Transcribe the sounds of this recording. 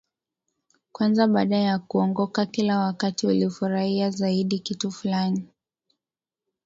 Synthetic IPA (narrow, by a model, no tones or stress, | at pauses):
kwanzaɓaːɗajakuɔŋɡɔkakilawakatiulifuɾahiazaiɗikitufulani